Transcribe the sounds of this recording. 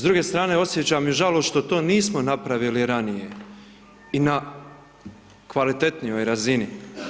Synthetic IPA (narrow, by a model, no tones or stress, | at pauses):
zd̪ɾuːɡe̞ːst̪ɾaːne̞o̞sje̞t͡ɕamjuʒaloʃt̪ot̪o̞ːniːsmonapɾaʋiliɾanije̞ | ina | kʋalit̪e̞t̪nijo̞jɾazini